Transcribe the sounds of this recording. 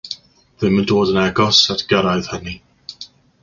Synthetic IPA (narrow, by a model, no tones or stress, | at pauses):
ðɪməndoːdənɛɡɔsatʰɡ̥əɾajð̥həni